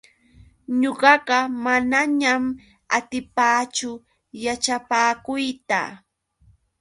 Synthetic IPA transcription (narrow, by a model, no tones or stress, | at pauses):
ɲoɢɑɢɑmanaɲam | at̪ɪpaːt͡ʃʊ | jat͡ʃapaːkʊjt̪a̰